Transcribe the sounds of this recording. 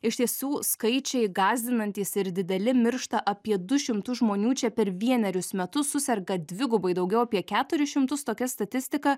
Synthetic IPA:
ɪʃt̪ʲiɛsuːskɐɪt͡ʃʲɛɪɡɑːzʲd̪ʲɪnɐnʲt̪ʲiːsɪɾd̪ʲɪd̪ʲɛlʲɪmʲɪɾʃt̪ɐʔɐpʲiɛd̪ʊʃʲɪmt̪ʊʒmoːnʲuːt͡ʃʲɛpʲɛɾʋʲiɛnʲɛɾʲʊsmʲɛt̪ʊsːʊsʲɛɾɡɐd̪ʲʋʲɪɡʊbɐɪd̪ɐʊɡʲɛʊɐpʲiɛkʲæːt̪ʊɾʲɪʃʲɪmt̪ʊst̪oːkʲɛst̪ɐt̪ʲɪsʲt̪ʲɪkɐ

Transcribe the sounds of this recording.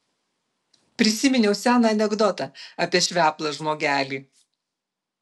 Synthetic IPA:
pʲɾʲɪsʲɪmʲɪnʲɛʊsʲæːnɑɐnʲɛɡd̪ɔt̪ɐɐpʲiɛʃʲʋʲæːplˠɐʒmoːɡʲæːlʲiː

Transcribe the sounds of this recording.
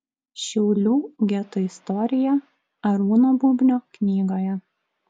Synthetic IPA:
ʃʲɛʊlʲuːɡʲɛt̪ʊɪst̪ɔɾʲɪjɛ | ɐɾuːnobuːbʲnʲoːknʲiːɡoːjɛ

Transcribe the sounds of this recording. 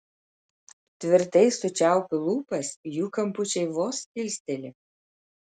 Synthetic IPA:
t̪ʲʋʲɪɾt̪ɐɪsːʊt͡ʃʲæˑʊpʲɪlˠuːpɐsjuːkɐmpʊt͡ʃʲɛɪʋoːskʲɪlʲsʲt̪ʲɛlʲɪ

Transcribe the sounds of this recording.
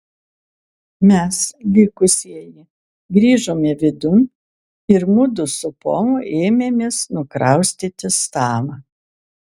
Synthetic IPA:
mʲɛslʲiːkʊsʲiɛjɪ | ɡɾʲiːʒoːmʲɛʋʲɪd̪ʊnʲ | ɪɾmʊd̪ʊsʊpo̰ːmʊʔeːmʲemʲeːsnʊkɾɐˑʊsʲt̪ʲit̪ʲɪst̪ɑːmɑ

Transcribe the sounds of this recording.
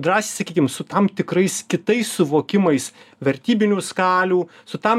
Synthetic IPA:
d̪ɾɑːsʲiːsɐkʲiːkʲɪmsʊt̪ɐmt̪ʲɪkɾɐɪskʲɪt̪ɐɪssʊʋoːkʲɪmɐɪsʋʲɛɾʲt̪ʲiːbʲɪnʲuːskɑːlʲuː | sʊt̪ɐm

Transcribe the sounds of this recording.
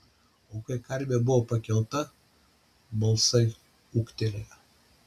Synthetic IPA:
oːkɐɪkɐɾʲbʲebʊʋopɐkʲɛlˠt̪ɐ | bɐlˠsɐɪ | uːkt̪ʲelʲejɛ

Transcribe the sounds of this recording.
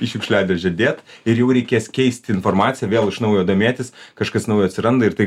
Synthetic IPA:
pʲiːʃʲʊkʃʲlʲæːd̪ʲɛʒʲɛd̪ʲeːt̪ɪɾjɛʊɾʲɛɪkʲeːskʲɛɪsʲt̪ʲɪnformɑːtt͡s̪ʲɪjɛʋʲeːlˠɪʃnɐʊjoːd̪oːmʲeːt̪ʲɪskɐʃkɐsnɐʊjoːɐt̪ʲsʲɪɾɐnd̪ɐɪɾt̪ɐɪ

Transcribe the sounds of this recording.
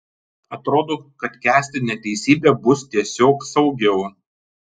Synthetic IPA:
ɐt̪ɾoːd̪oːkɐt̪kʲæːsʲt̪ʲɪnʲɛːt̪ʲɛɪsʲiːbʲeːbʊst̪ʲiɛsʲoːksɒʊɡʲɛʊ

